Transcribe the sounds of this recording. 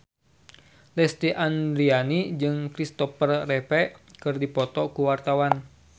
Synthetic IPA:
lɛst̪iʔand̪ɾianid͡ʒɨŋkɾist̪ɔfərːɛpɛkɨrdipɔt̪ɔkuwart̪awan

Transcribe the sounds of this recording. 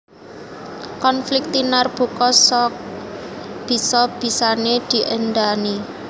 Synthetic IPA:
kɔnflɪk̚t̪inarb̥ṳkɔsɔk̚ | b̥i̤sɔb̥i̤saned̪̥i̤ʔənɖ̪ani

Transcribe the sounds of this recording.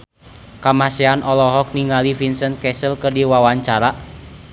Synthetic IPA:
kamasɛanʔɔlɔɦɔk̚niŋalifinsən̚kɛsəlkərdiwawaɲt͡ʃaɾaʔ

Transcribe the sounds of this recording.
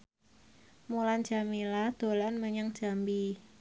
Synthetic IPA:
mulan̥d͡ʒ̥amilad̪̥o̤lanməɲaŋd͡ʒ̥ambi

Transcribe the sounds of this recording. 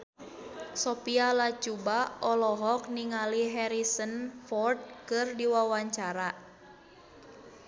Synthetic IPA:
sɔpialat͡ʃubaʔɔlɔɦɔk̚niŋaliɦɛɾisənfɔrt̪̚kɨrdiwawaɲt͡ʃaɾa

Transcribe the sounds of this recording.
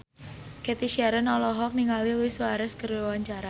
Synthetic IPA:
kɛt̪iʃaɾənɔlɔɦɔk̚niŋaliluiswaɾɛskərowaɲt͡ʃaɾa

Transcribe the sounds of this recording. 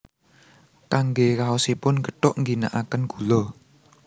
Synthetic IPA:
kaŋɡekaosipʊnɡəʈʊʔŋɡina̰ʔakənɡ̥ulɔ

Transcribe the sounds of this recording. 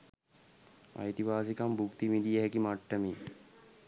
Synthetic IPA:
a̰jt̪iʋaːs̬ikɐmbʱukt̪imid̪ijəɦɛkimaʈːəme

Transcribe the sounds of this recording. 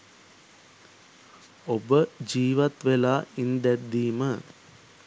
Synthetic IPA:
obəd͡ʑiːʋɐt̪ʋelaːind̪ɛd̪ːiːmə

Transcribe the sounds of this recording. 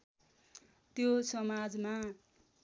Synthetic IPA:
t̪josʌmad͡zma

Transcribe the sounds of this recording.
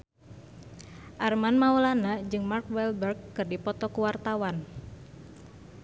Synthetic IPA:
ʔarmanmaulanad͡ʒɨŋmarkwɛlbərɡːɨrdipɔt̪ɔkuwart̪awan

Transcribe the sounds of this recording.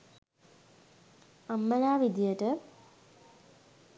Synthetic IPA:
amːənaːʋid̪ijəʈə

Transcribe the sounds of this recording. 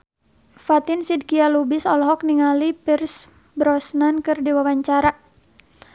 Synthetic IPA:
fat̪ɪnsid̚kialubɪsɔlɔɦɔkniŋalipirs | bɾɔsnankɨrdiwawaɲt͡ʃaɾa

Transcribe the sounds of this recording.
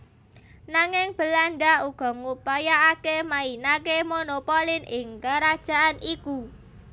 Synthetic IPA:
naŋɪŋb̥ə̤laɳɖauɡ̥ɔ̤ŋupajaːkemainakemonopolɪnʔɪŋkaɾad̥ʒ̥a̤ʔaniku

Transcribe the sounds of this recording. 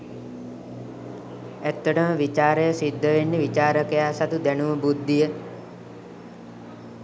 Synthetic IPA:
æt̪ːəʈəməʋit͡ʃaːɾəjəsid̪ːəʋenːeʋit͡ʃaːɾəkəjaːsat̪ud̪ænuʋəbud̪ːijə

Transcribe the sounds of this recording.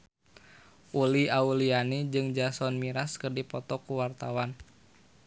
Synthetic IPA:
ʔuliaulianid͡ʒɨŋd͡ʒasɔnmiɾaskərdipɔt̪ɔkuwart̪awan

